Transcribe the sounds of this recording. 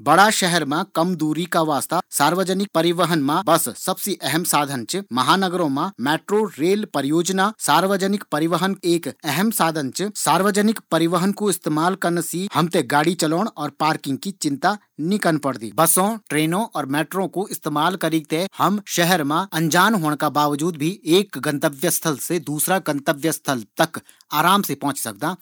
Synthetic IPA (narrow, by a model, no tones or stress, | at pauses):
bɐɽaʃɛɦɛɾmẽkɐmd̪uːɾikaʋaːst̪asaːɾʋəd͡ʒənɪk̚pɐɾɪʋəɦənmãbɐsːɐbsiʔɛɦɛmsaːd̪ʱənt͡ʃmɐɦaːnəɡəɾõmãmɛːʈɾoɾeːlpɐɾjoːd͡ʒnasaːɾʋəd͡ʒənɪkpɐɾɪʋəɦəneːkɛɦɛmsaːd̪ʱə̃nt͡ʃsaːɾʋəd͡ʒnɪkpɐɾɪʋəɦənkoɪst̪eːmaːlkɐɾnsiːhɐmt̪eɡaːɽit͡ʃɐloːɽ̃ɔːɾpaːɾkɪ̃ŋɡ̚kit͡ʃɪ̃nt̪a | nɪkənpɐɽd̪ḭːbɐsõʈɾeːnõʔɔːɾmɛːʈɾõkoɪst̪eːmaːlkɐɾiːt̪ehɐmʃɛɦɛɾmãɐ̃ɲd͡ʒaːnɦoːɽ̃kabaːʋd͡ʒuːd̪bʱieːkɡɐ̃nt̪əʋjəst̪ʰəlsed̪uːsɾaɡɐ̃nt̪əʋjəst̪ʰəlt̪ɐk | aːɾaːmsepɐ̃ɦʊ̃t͡ʃsɐ̰k̚d̪aː